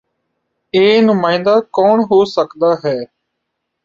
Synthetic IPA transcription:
eːnʊmãːɪ̃nd̪aːkɔːɳɦoːsəkd̪aːɦɛː

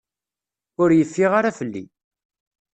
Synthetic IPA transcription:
ʊɾjəfːiʁaɾafəlːḭ

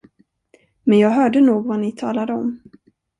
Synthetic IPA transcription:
mɛnjɑːɡɦœːɖənuːɡvanɪt̪ʰɑ̰ːlad̪əɔm

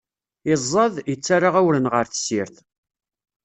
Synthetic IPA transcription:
ɪzˤːɑðˤjət͡sːaɾˤaʁæwɾənʁəɾθə̥siɾθ

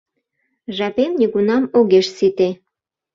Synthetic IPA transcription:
ʒɑpemnʲiɣunɑmoɣeʃsit̪e

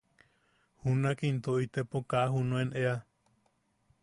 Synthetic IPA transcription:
hunakint̪oit̪epokaʔaɦunõenʔea

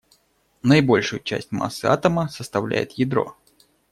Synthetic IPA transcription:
nəɪbo̞lʲʂʊjʊt͡ɕæ̰sʲtʲma̰sːɨat̪əməsəst̪ɐvlʲæ̰jɪ̰t̪jɪd̪ɾo̞̰

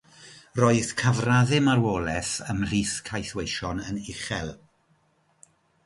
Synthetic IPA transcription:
roːɨð̥kʰavraðɪmarwoːlˠɛθəmr̥iːθkʰajθwejʃɔnənɪχɛlˠ

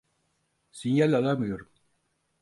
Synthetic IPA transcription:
siɲjalːalamijoɾm

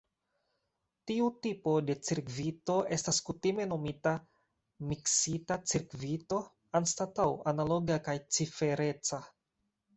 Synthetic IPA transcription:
tiutipo̞de̞t͡siɾkvito̞e̞staskutime̞no̞mita | miksitat͡siɾkvito̞ | anstatawanalo̞ɡakajt͡sife̞ɾe̞t͡sa

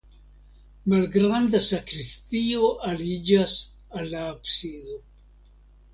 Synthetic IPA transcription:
malɡɾand̪asakɾistio̞ʔalid͡ʒas | alːaabsido̞

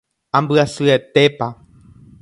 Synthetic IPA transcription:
ambɨasɨet̪e̞pa

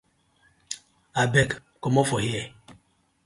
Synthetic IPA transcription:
abɛk | kɔmɔfɔhiɛ

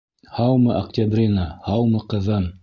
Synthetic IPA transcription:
hɑwmɤʔɐktʲabrʲinahɑwmɤqɤ̆ðɤm

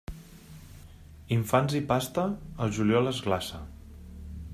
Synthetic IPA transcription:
iɱfanzipast̪əːlˠʒuljɔləzɣlasə̰

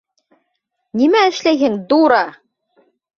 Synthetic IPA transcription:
nimæɘ̆ʃlæjɦɘŋd̪uɾɑ

